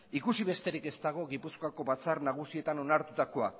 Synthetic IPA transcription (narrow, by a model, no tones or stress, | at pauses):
ikusiβe̞st̪e̞ɾike̞st̪aɣ̞o̞ɣipuskoako̞βat͡sarnaɣ̞usie̞t̪ano̞naɾt̪ut̪ako̞a